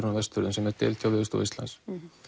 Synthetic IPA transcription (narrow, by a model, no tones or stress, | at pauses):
ɾnvɛst̪ʏɾðʏnsɛmɛɾ̥t̪ɪ̰ːlt̪ʰjawvɪːʏst̪ṵwist̪la̰ns